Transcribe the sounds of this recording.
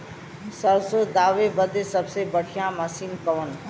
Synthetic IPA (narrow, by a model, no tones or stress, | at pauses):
səɾsod̪aːʋebəd̪esəbsebəɽ̤ʱijãːməsiːnkəʋən